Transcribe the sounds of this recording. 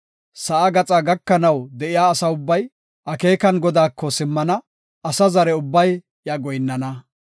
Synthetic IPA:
sɐʔaɡɐt͡sʼaːɡɐkːɐnɐwd̪ɛʔɪjaːsɐʊbːɐj | ʔɐke̞ːkɐnɡɔd̪aːkːɔsɪmːɐnɐ | ɐsɐzɐɾɛʊbːɐj | jɐɡɔjnːɐnɐ

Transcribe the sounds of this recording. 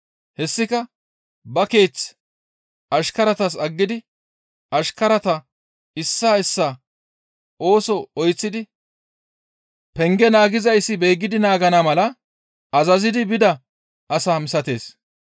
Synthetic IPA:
hɛsːɪkɐ | bɐke̞ːt͡s | ɐʃkɐɾɐt̪ɐs̬ɐɡːɪd̪ɪ | ʔɐʃkɐɾɐt̪ɐ | ɪsːaːɪsːaː | ʔo̞ːsɔɔjt͡sːɪd̪ɪ | pɛŋɡɛnaːɡɪzɐjsːɪbe̞ːɡːɪd̪ɪnaːɡɐnamɐlɐ | ɐzɐzɪd̪ɪbɪd̪ɐ | ʔɐsaːmɪsɐt̪e̞̰ːs

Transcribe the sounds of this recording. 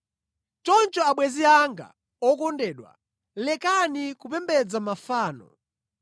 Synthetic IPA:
t͡ʃɔnt͡ʃɔaɓwɛziaŋɡa̰ | ɔkɔndɛːɗwa̰ | lɛkanikupɛmbɛd͡zamafaːnɔ̰

